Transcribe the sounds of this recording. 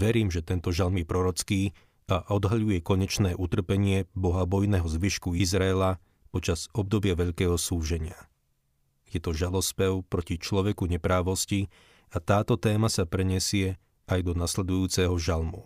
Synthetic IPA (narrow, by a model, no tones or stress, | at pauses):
ʋɛɾiːmʒɛt̪ɛnt̪ɔʒalmjɛpɾɔɾɔt͡skiː | aʔɔd̪ɦaʎujɛkɔɲɛt͡ʃnɛːʔut̪r̩pɛɲɪɛbɔɦabɔjnɛɦɔzʋiʃkuizɾaɛla | pɔt͡ʃaz̥ɔb̚d̪ɔbɪaʋɛʎkɛːɦɔsuːʒɛɲɪa | jɛt̪ɔʒalɔspɛʊpɾɔcit͡ʃlɔʋɛkuɲɛpɾaːʋɔsci | at̪aːt̪ɔt̪ɛːmasapɾɛɲɛsɪɛ | ajd̪ɔnaslɛd̪ujuːt͡sɛɦɔʒalmṵ